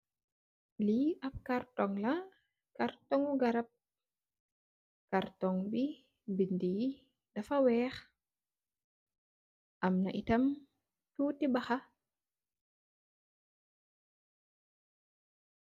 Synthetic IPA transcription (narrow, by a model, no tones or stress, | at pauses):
liʔap̚kartɔŋla | kartɔŋuɡaɾap̚ | kaɾtɔŋbi | bindiː | dafawɛːx | ʔamnaʔitam | tuːtibaxa